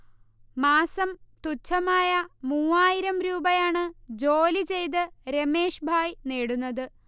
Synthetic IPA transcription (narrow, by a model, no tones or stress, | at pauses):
maːsɐmt̪ut͡ɕʰːɐmaːjɐmuːaːjiɾɐmɾuːbɐjaːɳɨd͡ʑo̞ːlit͡ɕe̞jt̪̬ɨɾeme̞ːʂbʱaːjneːɽunːɐðɨ